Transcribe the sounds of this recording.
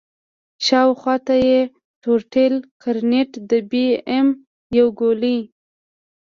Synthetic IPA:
ʃɑwxwɑt̪aje | toɾʈelkʰaɾneʈd̪əbeem | jawɡoli

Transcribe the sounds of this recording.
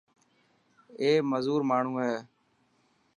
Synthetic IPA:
eːməzuːɾmaːɳ̤ũːɦɛː

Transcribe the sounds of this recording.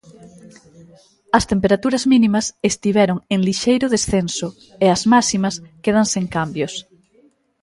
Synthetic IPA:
ɐst̪empeɾat̪uɾɐzmĩnimɐsest̪iβ̞ɛɾoŋeŋliʃejɾʊðesθensʊ | eɐzmasimɐskeð̞ɐŋseŋkambjos

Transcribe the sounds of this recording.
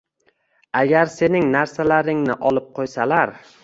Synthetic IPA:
aɡʲaɾse̞nɪŋnaɾsalaɾɪŋnɪʔɒlˠɪp̚qʰojsalaɾ

